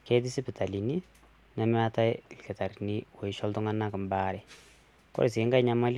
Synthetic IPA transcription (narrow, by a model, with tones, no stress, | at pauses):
kɛ˦t̬i˦si˦pɛ˨ta˨li˨ni | nɛ˦m˦a˦ta˦jlkɛ˨ta˨ɾi˨ni˦wɔ˨i˨ʃɔ˦ltu˦ŋa˦na˦kmba˦ɾɛ˨ | kɔ̰˦ɾe˨s̬i˨˦ŋɡa˦jɲa˦ma˦l